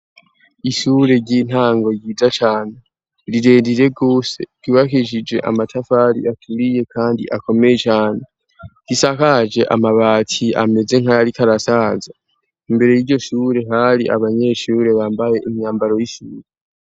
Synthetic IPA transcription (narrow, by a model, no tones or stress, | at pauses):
iʃuːɾe̞ɟiːn̥aːŋɡo̞jiːzat͡ʃaːne | ɾiɾe̞ːndiɾe̞ɡo̞ːse̞̰ɾ̥uːβakiʒid͡ʒe̞̰ʔa̰matʰafaɾḭʔatʰuɾije̞kʰaːndḭʔako̞me̞je̞t͡ʃaːn̥e | ɾisakad͡ʒe̞ʔa̰maβaːtʰia̰me̞ze̞ŋajaɾikaɾasaːza | imbe̞ɾe̞jiɾɟo̞ʃuːɾe̞ɦaɾiʔa̰βaɲe̞ʃuːɾe̞βaːmbaje̞ʔimɲaːmbaɾo̞jiʃuːɾe